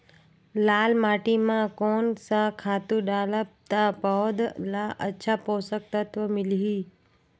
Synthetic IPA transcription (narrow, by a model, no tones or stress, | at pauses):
laːlmaːʈimãkoːnsãkʰaːt̪ũɗaːləb̚t̪apɔd̪laʔətːʃʰapoːsək̚t̪ət̪ʋəmɪliɦiː